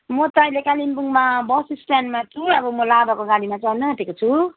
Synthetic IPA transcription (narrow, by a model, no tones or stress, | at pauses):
mʌt̪ajlekalimbuŋmabʌsislanmat̪ʰuʌbʌmʌlabakoɡalimat͡sanʌɦt̪ekot͡sʰu